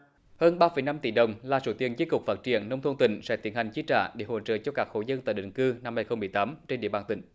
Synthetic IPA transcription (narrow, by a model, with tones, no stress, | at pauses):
həː˧nɓaː˧fə˨˧˩jna˧mt̪i˧˩ɗə˨˩wŋ͡mlaː˨˩sṵ˧˩t̪ḭ˨˧˩ənzi˦˥kʊ˨˩k͡p̚faː˦˥t̚t͡ɕḭ˧˨ənːə˧wŋ͡mt̪ʰnt̪ï˧˩ŋ̟sɛ̰˧˥t̪i˨˦ənha˨˩jŋ̟t͡ɕi˨˦˥t͡ɕa̰ː˧˨ɗe˧˩˦ho̰˧˨t͡ɕə̰ː˧˨t͡ɕɔ˧kaː˦˥k̚ho̰˧˩zə˧nt̪a̰ː˧˩ɗḭ̈˧˨ŋ̟kɨ˧na˧mha˧jxə˧wŋ͡mmɨ˨˩əjt̪aː˨˦mt͡ɕe˧nɗḭ˧˨əɓaː˨˩nt̪ï˧˩ŋ̟